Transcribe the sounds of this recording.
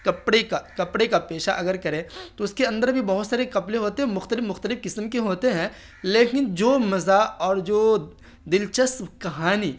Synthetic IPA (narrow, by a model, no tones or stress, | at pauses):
kɐpɽekakɐpɽekapeːʃaʔɐɡəɾkɐɾẽːt̪oʊskeɐ̃nd̪əɾbʱibɐɦʊt̪saːɾekɐpleɦoːt̪eɦɛ̃mʊxt̪əlɪfmʊxt̪əlɪfkɪsəmkeɦoːt̪eɦɛ̃ | leːkɪnd͡ʒoːmɐzaɔːɾd͡ʒoː | d̪ɪlt͡ʃəsmkɐɦaːniː